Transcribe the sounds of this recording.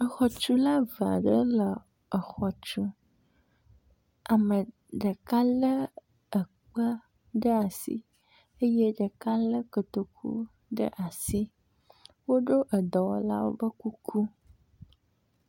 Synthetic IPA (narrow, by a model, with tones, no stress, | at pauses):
ə˨xɔ˨t͡ʃu˦la˦va̰˨ɖə˦lə˨ | ə˨xɔ˨t͡ʃu˦ | a˨mə˨ | ɖə˨ka˦lə˦ | ə˨ | k͡pə˦ | ɖə˦a˨sḭ˦ | ə˦je˦ɖə˨ka˦lə˦ko˨t̪o˨kʰṵ˦ | ɖə̰˦ʔa˨si˦ | wo˦ɖo˦ʔə˨d̪ɔ˨wɔ̰˦la̰˦wo̰˦bə˦ku˦kʰu˦